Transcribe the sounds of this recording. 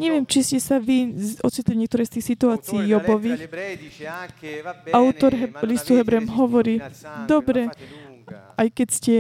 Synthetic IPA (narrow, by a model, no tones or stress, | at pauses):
ɲɛʋɪɛmt͡ʃiscɛsaʋiɔt͡sit̪liɲɛk̚t̪ɔɾɛjst̪iːxsit̪uaːt͡siiːjɔbɔʋiːx | aʊt̪ɔɾɦɛlist̪uɦɛbɾɛmɦɔʋɔɾiːd̪ɔbɾɛ | ajkɛcscɛ